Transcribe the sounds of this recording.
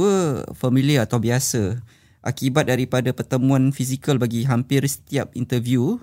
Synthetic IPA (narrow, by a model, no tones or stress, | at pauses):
əfamĩliəat̪awbiasə | ʔakibat̪̚daɾipadapərt̪əmũãnfisikəlbaɡiɦampirsə̥t̪iap̚ḭnt̪ərvju